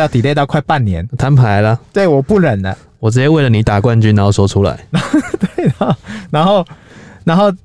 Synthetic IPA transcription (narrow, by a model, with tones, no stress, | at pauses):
jɑ˥˩ʊt̪i˨le˥˧ɪɑ˥˧ʊkʰa˥˧ɪpa˥˨nnːjɛ̰˧˦nt̪ʰa˧˦npʰa˨˧˦ɪlə˧swɛ˥˩i˨wɔ˨˩pu˥˩ɻə˨˩ndə̰˦ | wɔ˨˩t͡sɻ̩˥t͡ɕjɛ˥we˥˩ɪlə˩ni˨˩˦t̪a˨˩kwa˥˧nt͡ɕy˥na˧˥˦o˥˧˩sɔ˧˥ʈ͡ʂʰu˦la̰˨˦ɪn˨˧t̪we˥˩ɪnna˧˦nxo˥˨ʊna˧˥nxo˥˨ʊ